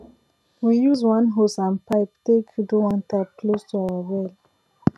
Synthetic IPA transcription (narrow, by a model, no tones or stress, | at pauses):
wijuzwãnɦosãnpaɪptekʰjuduwãntʰap̚kʰlostuawəwɛl